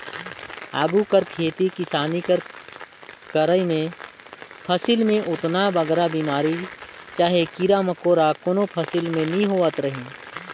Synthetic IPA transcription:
a̰ːɡukəɾkʰeːt̪ikɪsaːnikəɾ | kəɾəimẽ | pʰəsilmẽʔʊt̪nabəɡɾabiːmaːɾit͡ʃaːɦekiɾaməkoːɾakonopʰəsɪlmẽnĩɦoːət̪ɾəɦĩː

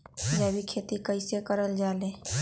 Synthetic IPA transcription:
d͡ʒaːbikʰeːt̪ikəɪsekəɾəld͡ʒaːleː

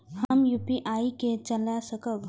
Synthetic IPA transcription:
həmjupiʔaːiket͡ʃəlasəkəb

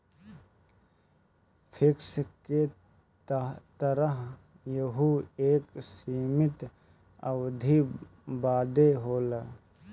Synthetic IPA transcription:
pʰɪkske | t̪əɾəɦ | jəɦueːksiːmɪt̪ | əwd̪ʱi | baːd̪eɦoːlə

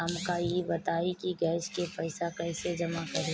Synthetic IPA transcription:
mkajebɐt̪aːikiɡɛːʃkepɐɪsakɐɪsed͡ʒɐmakɐɾe

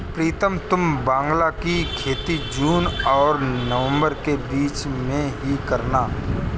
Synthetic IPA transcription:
pɾiːt̪əmt̪ʊmbãːŋɡlakikʰeːt̪id͡ʒuːnɔːɾnəʋə̃mbəɾkebiːt͡ʃmẽɦikəɾnaː

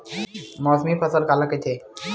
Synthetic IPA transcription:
mɔsmipʰəsəlkalaket̪ʰe

